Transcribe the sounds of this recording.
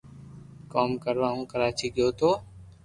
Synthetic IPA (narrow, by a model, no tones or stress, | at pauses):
koːmkəɾʋaːɦũːkəɾaːt͡ʃiːkɪjoːt̪oː